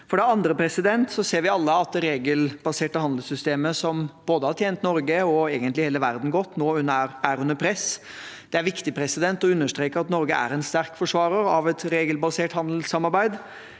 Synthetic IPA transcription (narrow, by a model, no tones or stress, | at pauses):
fɔɖɛɑnd̪ɾəpʰɾɛsɪd̪ɛnt̪sɔseːɾʋɪɑlːəɑt̪̚d̪ɛɾeːɡəlb̥ɑseːʈəhɑnd̪l̩sʏst̪eːməsɔmb̥oːd̪əhɑɾʈ̪ʰjeːnt̪nɔɾɡəɔeːɡənt̪lɪheːləʋæɾd̪n̩ɡɔt̪ːnoːʉnɾæɾhʉnːəpʰɾɛs | d̪̥ɛæɾʋɪkt̪ɪpʰɾɛsɪd̪ɛnt̪ɔʉnːəʂʈ̪ɾeːkəɾɑt̪nɔɾɡəʔæ̰ɾɛnst̪æɾkfɔʂʋɑːɾəɾɑʋɛt̪ɾeːɡəlbɑseːʈhɑnd̪l̩sɑmɑɾbæɪd̪